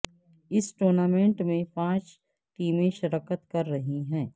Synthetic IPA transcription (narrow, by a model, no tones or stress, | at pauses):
ɪsʈoːɾnaːmẽːɳʈmẽpãːt͡ʃ | ʈiːmẽʃɐɾaːkət̪kɐɾːɐɦiɦɛ̃ː